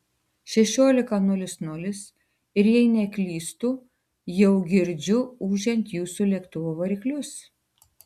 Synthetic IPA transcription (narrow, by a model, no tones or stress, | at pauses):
ʃʲɛʃʲoːlʲɪkɐnʊlʲɪsnʊlʲɪs | ɪɾjɛɪnʲɛkʲlʲiːst̪uː | jɛʊɡʲɪɾʲd͡ʒʲʊuːʒʲɛnʲt̪ʲjuːsuːlʲɛkt̪ʊʋoːʋɐɾʲiklʲʊs